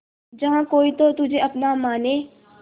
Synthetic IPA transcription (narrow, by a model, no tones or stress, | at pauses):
d͡ʒəɦãːkoːiːt̪ot̪ʊd͡ʒʱeːəpnaːmaːneː